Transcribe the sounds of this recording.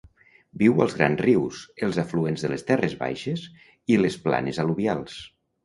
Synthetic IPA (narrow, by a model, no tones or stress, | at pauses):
biwəlˠzɣɾa̰nzriwsəlˠzafluenzðəlest̪ɛrezβa̰jʃez | ilespla̰nezaluβjalˠs